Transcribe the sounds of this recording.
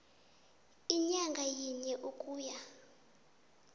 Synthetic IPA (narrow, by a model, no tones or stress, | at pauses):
iɲaŋɡʱajiɲɛʔukʼuːja